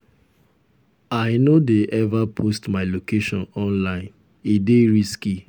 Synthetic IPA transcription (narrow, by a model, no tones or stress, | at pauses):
aɪnodeʔɛvapʰostmaɪlokeʃɔ̃nɔ̃nlãɪ̃n | edeɹiski